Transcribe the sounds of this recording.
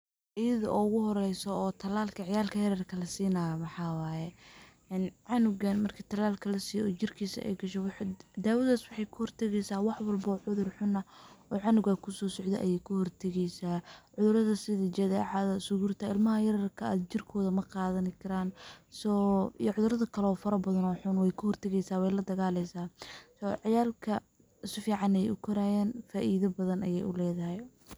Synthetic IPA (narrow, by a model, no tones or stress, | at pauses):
ʔijɐðɐ̰ʔɔʊɣʊɦɔɾɛjsɔːt̪ʰɐlaːlkʰɐʕɪjaːlkʰɐjɐɾɐrkʰɐlɐsiːnaːjɐmɐħɑːwaːjɛ | ɛnʕɑnʊɣɐnmɐrkʰit̪ʰɐlaːlkʰɐlɐsiːjɔɔːt͡ʃɪrkʰiːsɐ̰ʔɛ̰jɡɐʃɛwħd̪aːwɐðaːswɑħɑjkʰʊhɔrt̪ʰɛɣɛjsaːwɑħwɐlbɔːʕʊðʊrħʊnɐɔːʕɑnʊɣakʰʊsɔːsɔʕd̪ɛ̰ʔɐ̰jɛjkʰʊhɔrt̪ʰɛɣɛjsaːʕʊðʊɾɐðɐsɪðɐd͡ʒɐðɛːʕɑðɐsʊɣuːrt̪ʰɐɪlmɐɦɐjɐɾɐrkʰɐa̰ːd̪t͡ʃɪrkʰɔːðɐmɐqɑːðɐnɪkʰɐɾaːnsɔːijʕʊðʊɾɐðɐkʰɐlɛɔːfɐɾɐbɐðɐnɔːħʊnwɛjkʰʊhɔrt̪ʰɛɣɛjsaːwɛjlɐd̪ɐɣaːlɛjsaːsɔʕɑjaːlkʰɐ | sɪfiːʕɑnɛjɛ̰jʔʊkʰʊɾaːjɛːnfaːʔiːðɐbɐðɐnʔɐjɛjʔʊlɛːðɐɦɛj